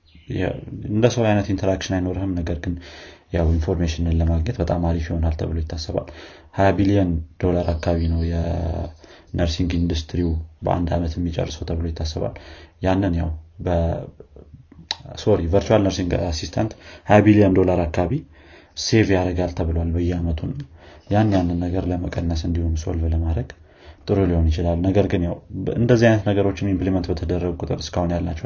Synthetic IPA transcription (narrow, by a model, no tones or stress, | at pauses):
jɛ̰ɨnd̪əsəwjajnət̪int̪ʰəɾakʃɪnajno̞ɾəhɨmnəɡəɾɡɨnjawinfo̞ɾmeʃɪnɨnləmaɡɲɛt̪bət̪ʼamaɾifiho̞nalt̪ʰə̰βɨlo̞jɪt̪ʰːasːəβa̰l | hajabilijənd̪̥o̞laɾakːaaβinəwjɛ | nəɾsiŋɡind̪ust̪ʰɾiubə̰ʔa̰nd̪a̰mət̪jɛmːit͡ʃʼɛ̰rːsəwt̪ʰəβɨlo̞jɪt̪ːasːəβa̰ljanːɨnjawbə | so̞ɾivəɾt͡ʃualnəɾsiŋɡasist̪ʰant̪habiliənd̪o̞laɾakːaβi | se̞vjaɾəɡalt̪ʰəβɨlowalbəjːɛamət̪ʰunːajanːjanːɨnːəɡəɾləməkʼənːəsɨnd̪ihunso̰lvləmad̪ɾəɡ | t̪ʼɨɾuliho̞njɪt͡ʃɪlalnəɡəɾɡɨnjawɨ̰nd̪əzːihajnət̪nəɡəɾo̞t͡ʃːɪnimplimənt̪bət̪ʰəd̪ərːəɡukʼut̪ʼɨ̰ɾɨskʰahunjalnat͡ʃːɛw